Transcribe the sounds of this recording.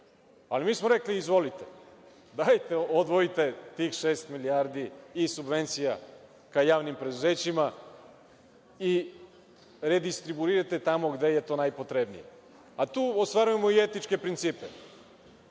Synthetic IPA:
alimiːsmoɾe̞kliːzʋo̞lit̪e | d̪ajt̪e̞od̪ʋo̞it̪e̞t̪iːxʃe̞ːst̪miliaɾd̪iːsubʋe̞nt̪sija | kajaːʋnimpɾe̞d̪uze̞ːt͡ɕima | i | ɾe̞d̪ist̪ɾibuiɾat̪e̞t̪amo̞ɡd̪e̞je̞t̪o̞ːnajpo̞t̪ɾe̞bnḭje | at̪uːost̪ʋaɾuje̞moie̞t̪it͡ʃke̞pɾint̪siːpe

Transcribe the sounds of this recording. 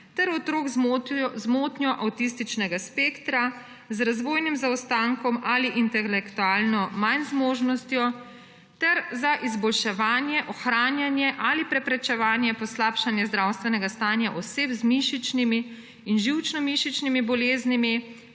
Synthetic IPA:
t̪ɛɾɔt̪ɾoːɡzmot̪njɔʔawt̪is̬t̪it͡ʃnɛɡaspeːkt̪ɾa | zɾazʋoːjnimzaɔst̪aŋkɔmaːliʔint̪ɛlɛkt̪uaːlnɔmanzmoːʒnɔst̪jɔ | t̪ɛɾzaʔizbɔlʃɛʋaːnjɛʔɔxɾaːnjanjɛʔalipɾɛpɾɛt͡ʃɛʋaːnjɛpɔslaːpʃanjɛzd̪ɾawst̪ʋɛnɛɡast̪aːnjaʔɔseːpzmiʃit͡ʃnimiː | nʒiwt͡ʃnɔmiʃit͡ʃnimibɔleːznimi

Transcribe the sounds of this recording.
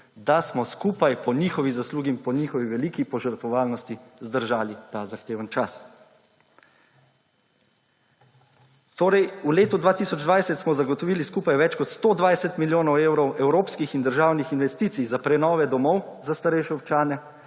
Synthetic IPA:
d̪asmɔskuːpajpɔnixɔʋizasluːɡimpɔnixɔʋiʋɛliːkipɔʒəɾt̪ʋɔʋaːlnɔst̪izd̪əɾʒaːlit̪azaxt̪eːʋənt͡ʃas | t̪oːɾɛjuleːt̪ud̪ʋaːt̪isɔd͡ʒd̪ʋajsɛt̪smɔzaɡɔt̪ɔʋiːliskuːpajʋɛt͡ʃkɔt̪st̪oːd̪ʋajsɛt̪miljoːnɔwewɾɔwʔɛwɾoːpskixind̪əɾʒaːwnixinʋɛst̪iːt̪sijzapɾɛnɔːʋɛd̪ɔmɔwzast̪aɾɛjʃɛɔp̚t͡ʃaːnɛ

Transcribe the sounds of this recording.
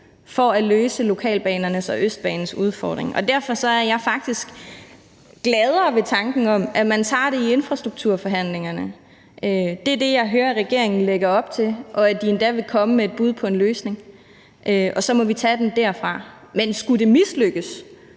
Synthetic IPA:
fɒ̽æløːsəlo̝kʰɛ̰ːlb̥ɛːnɐnəsɒʔøsd̥̚b̥ɛ̰ːnn̩suð̞ˠfɒ̰ːd̥ʁeŋɒ̽d̥æɐfɒ̽sɒ̽æɐjɑ̈ɪfɑ̈ɡ̥̚d̥isɡ̥ | ɡ̥lɛð̞ˠɐʋe̝t͡sʰɑ̈ŋɡ̥n̩ɒ̽m̰ʔæmænt͡sʰɑ̰̈ːɾ̥e̝ie̝nfʁɑ̈sd̥ʁuɡ̥̚t͡sʰuɐ̰fɒ̽ɦæn̰le̝ŋɐnə | ʔød̥e̝æɐd̥e̝jɑ̈ɪɦøːɐæʁɛɡ̥e̝ɐ̰e̝ŋn̩leɡ̥ɐɒ̽b̥̚t͡sʰe̝lʔɒ̽æd̥ie̝nd̥æʋe̝kʰɒ̽məmeːd̥̚b̥uð̞ˠpʰɒ̽e̝nløːsne̝ŋ | ʔøʔɒ̽sɒ̽mɒ̽ʋit͡sʰæd̥emd̥æɐ̰fʁɑ̈ | mensɡ̥ude̝misløɡ̥əs

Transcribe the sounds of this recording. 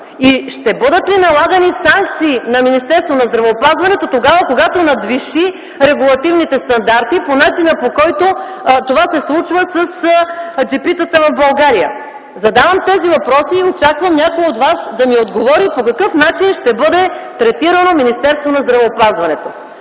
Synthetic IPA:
iʃt̪ɛbɤd̪ət̪vinɐlˠaɡɐnisaŋk̚t̪siːnɐminist̪ɛɾst̪vonɐzd̪ɾɐvɛopazvɐnɛt̪ot̪oɡavɐkoɡat̪onɐd̪viʃi | ɾɛɡulˠɐt̪ivnit̪ɛst̪ɐnd̪aɾt̪iponat͡ʃinəpokɔjt̪o | t̪ovasɛslˠut͡ʃvəsəsd͡ʒɛpit̪ət̪əvɐvbɐlˠɡaɾijə̰ | zɐd̪avɐmt̪ɛzivɐpɾɔsiot͡ʃakvɐmnʲakojod̪vasd̪ɐniod̪ɡovɔɾipokɐkɤfnat͡ʃinʃt̪ɛbɤd̪ɛt̪ɾɛt̪iɾənominist̪ɛɾst̪vonɐzd̪ɾɐvɛopazvɐnɛt̪o

